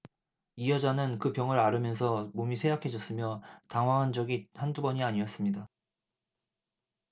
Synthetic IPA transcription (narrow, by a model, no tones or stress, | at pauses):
ijʌd͡ʑanɯnkɯpjʌŋɯɾaɾɯmjʌns̬ʰʌmomisʰeakʰe̞d͡ʑʌs͈ɯmjʌtaŋwaŋɦand͡ʑʌɡihandubʌɲiaɲiʌs͈ɯmɲida